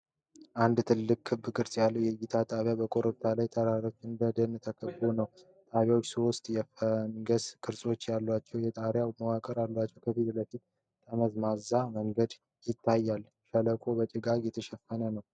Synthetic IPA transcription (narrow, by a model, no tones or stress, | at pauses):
ʔand̪t̪ʰɨlːɨkʼːʰɨbɨkʰʼɨɾsʼjalːəwjɛɡit̪ʰat̪ʼaβjabəkʼoɾət̪ʰːalajt̪ʰəɾaɾo̞t͡ʃːɨnd̪əd̪ənt̪ʰəkʰəbunəw | t̪ʼaβjawt͡ʃːsowʊst̪ʼjɛfəŋɡəskʰɨɾsʼo̞t͡ʃːjalːwat͡ʃːɛwjɛt̪ʼaɾjawməwakʼəɾalːwat͡ʃːɛwkʰəfit̪ləfit̪ | t̪ʰəməzmazaməŋɡəd̪ | jɪt̪ʰːajːal | ʃələkʼo̞bət͡ʃʼɪɡakjɛt̪ʰəʃɛfːənənəw